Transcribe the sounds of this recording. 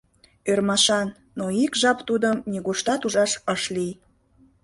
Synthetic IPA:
ørmɑʃɑn | nːoikʒɑpt̪ud̪əmniɣoʃt̪ɑt̪uʒɑʃəʃlij

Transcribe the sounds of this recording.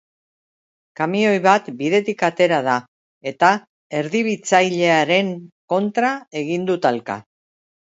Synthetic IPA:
kamio̞jβat̪biðe̞t̪ikat̪e̞ɾað̞a | e̞t̪a | e̞ɾðiβ̞it͡sajʎe̞aɾe̞ŋko̞nt̪ɾae̞ɣ̞ind̪ut̪alka̰

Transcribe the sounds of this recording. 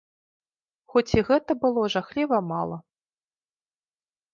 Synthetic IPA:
xɔt͡sʲiɣɛt̪ɐbɨlˠɔʐaxlʲivɐmalˠɐ

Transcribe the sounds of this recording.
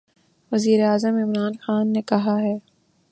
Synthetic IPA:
ʋɐziːɾeaːzəmɪmɾaːnxaːnːekɐɦaɦɛː

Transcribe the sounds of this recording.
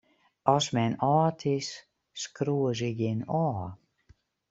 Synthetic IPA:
ɔsmɛnɔːtʰisː | kruəziɡɪnɔː

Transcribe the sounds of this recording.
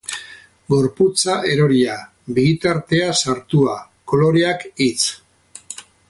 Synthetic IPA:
ɡo̞ɾput͡saʔe̞ɾo̞ɾia | biɣit̪aɾt̪e̞asaɾt̪ua | ko̞lo̞ɾeakit͡s

